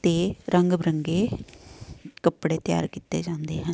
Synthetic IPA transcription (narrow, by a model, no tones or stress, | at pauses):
t̪eːɾʔəŋɡbɾəŋɡeː | kəpɽeːt̪ja̰ːɾkiːt̪ḛːd͡ʒãːnd̪ḛːɦɛ̃ː